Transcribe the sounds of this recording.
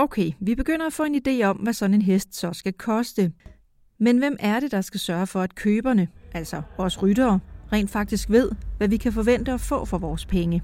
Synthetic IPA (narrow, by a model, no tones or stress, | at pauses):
oʊkʰeɪʋib̥e̝ɡ̥øn̰ɐæfɔ̰ːe̝nid̥e̝̰ːɒ̽mʋæsɒ̽ne̝nɦesd̥sɒ̽sɡ̥ækʰɒ̽sd̥ə | menʋem̰ʔæɐɾ̥e̝d̥ɑ̈sɡ̥æsɶːɐfɒ̽æd̥kʰøːb̥ɐnəʔæl̰sɒ̽ʋɒːsʁyd̥ɐːʁɛ̰ːnd̥fɑ̈ɡ̥̚d̥isɡ̥ʋe̝ð̞̰ˠʋæʋikʰæfɒ̽ʋen̰d̥əɒ̽fɔ̰̽ːfɒ̽ʋɒːspʰeŋə